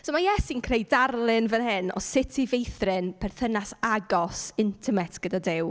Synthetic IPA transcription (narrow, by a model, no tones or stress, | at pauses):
somajɛsinkʰrejdarlˠɪnvənhɪnɔ̰sɪtʰivejθrɪnpʰɛrθənasaɡɔsɪntʰɛmɛtʰɡ̥ədadɪw